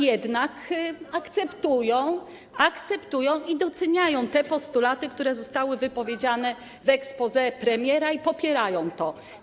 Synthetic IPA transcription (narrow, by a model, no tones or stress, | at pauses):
jɛd̪nakakt̪sɛpt̪ujɔ̃w̃ | akt̪sɛpt̪ujɔ̃w̃id̪ɔt̪sɛɲajɔ̃w̃t̪ɛpɔst̪ulat̪ɘkt̪uɾɛzɔst̪awɘvɘpɔvʲjed͡ʑanɛ | vɛkspɔzɛpɾɛmʲjɛɾaipɔpʲjɛɾajɔ̃w̃t̪ɔ